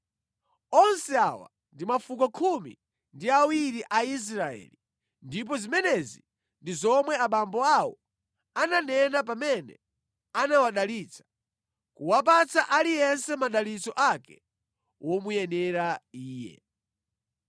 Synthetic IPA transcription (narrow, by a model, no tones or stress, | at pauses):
ɔnsɛawa̰ | ndimafukɔkʰumḭ | ndiawiɾiʔais̬ɾaɛ̰li | ndip̬ɔzimɛnɛzi | ndizɔmwɛaɓambɔawɔ | ananɛnap̬amɛnɛ̰ | anawaɗaliːt͡sʰḁ | kuwap̬at͡saʔalijɛnsɛmaɗalit͡sɔʔakɛ | wʔɔmujɛnɛɾaiːjɛ̰